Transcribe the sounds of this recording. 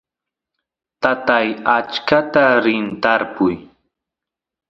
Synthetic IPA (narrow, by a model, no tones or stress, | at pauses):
t̪at̪ajat͡ʃkat̪aɾɪnt̪aɾpʊj